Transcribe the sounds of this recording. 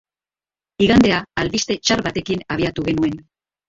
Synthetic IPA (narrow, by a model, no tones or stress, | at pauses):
iɣand̪e̞aːlβist̪e̞t͡ʃarβat̪e̞kinaβ̞iat̪uɣe̞nue̞n